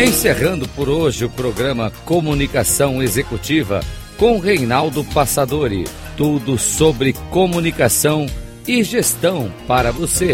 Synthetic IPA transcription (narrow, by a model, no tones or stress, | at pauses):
ẽseʁɐ̃nd̪ʊpoɾoʒɪʊpɾoɡɾɐ̃mɐkomunikasɐ̃w̃ezekut͡ʃivɐ̰ | kõʊʁejnawd̪ʊpasad̪oɾɪ̰ | t̪ud̪ʊsobɾɪkomunikasɐ̃w̃ | ɪʒest̪ɐ̃w̃paɾɐvose